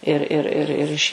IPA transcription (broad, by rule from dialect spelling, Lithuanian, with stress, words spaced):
ɪr ˈɪr ɪr ˈɪr ɪʃ